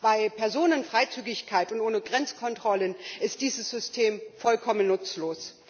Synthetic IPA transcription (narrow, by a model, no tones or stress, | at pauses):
b̥aɪpʰɛɐzoːnənfʁ̥aɪt͡syːɡɪçkʰaɪtʊntʔoːnəɡʁɛnt͡skʰɔntʁ̥ɔlənɪstd̥iːzəsz̥ʏstʰeːmfɔlkʰɔmənːʊt͡sloːs